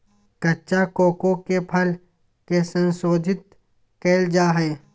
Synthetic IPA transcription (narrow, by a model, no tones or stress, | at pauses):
kɐtːt͡ʃakoːkõkepʰɐl | kesə̃nsoːd̪ʱɪt̪̚ | keːld͡ʒaːɦɛː